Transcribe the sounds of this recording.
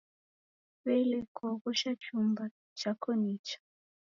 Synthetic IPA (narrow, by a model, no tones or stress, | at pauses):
βɛilɛkʰɔɣɔʃat͡ʃumba | t͡ʃakɔnit͡ʃḁ